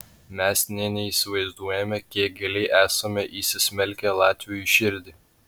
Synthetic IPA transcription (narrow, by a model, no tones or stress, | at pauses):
mʲɛsnʲɛnʲɛiːsʲɪʋɐɪzd̪uɔjɛmʲɛkʲiɛk̚ɡʲɛlʲɛɪʔæːsɐmʲɛʔiːsʲɪsʲmʲɛlʲkʲɛlˠɑːt̪ʲʋʲɪjʊʃʲɪɾʲd̪ʲɪː